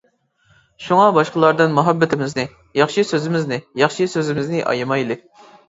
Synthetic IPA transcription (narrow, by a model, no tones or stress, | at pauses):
ʃuŋɑbɑʃqəlˠɑɾd̪ɨnmuɦɛbːɪt̪ʰɪmɪznɪ | jɑχʃisøzɪmɪznɪjɑχʃisøzɪmɪznɪʔɑ̰jmɑjlˠɨ